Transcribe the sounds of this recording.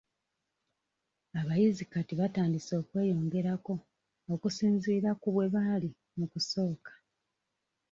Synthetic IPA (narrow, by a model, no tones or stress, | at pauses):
aβajizikatiβataːndiso̞ːkwe̞ːjo̞ːŋɡe̞ɾako̞ː | kusiːnziːɾakuβwe̞βali | mukuso̞ːkḁ